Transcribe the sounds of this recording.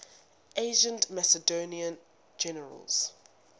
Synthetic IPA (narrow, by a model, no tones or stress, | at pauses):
ʔeɪʒə̃ntmasədoːniə̃n | d͡ʒɛnəɹə̰lz̥